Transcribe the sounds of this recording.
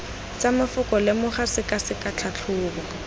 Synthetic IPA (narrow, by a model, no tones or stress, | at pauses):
t͡samɪfʊkɔlɪmʊχasɪkasɪkat͡ɬʰat͡ɬʰʊːka